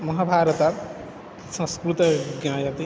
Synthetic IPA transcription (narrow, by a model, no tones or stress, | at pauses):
mɐɦabʱaːɾɐt̪a | sɐ̃skɾut̪ɐɡjãːjɐt̪i